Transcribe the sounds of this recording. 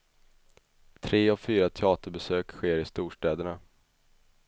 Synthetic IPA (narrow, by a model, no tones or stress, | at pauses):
t̪ʰɾeːɔvfyːɾat̪ʰɛɑːt̪əɾbɛsøːkɧeːɾɪst̪uːʂʈɛːd̪əɳa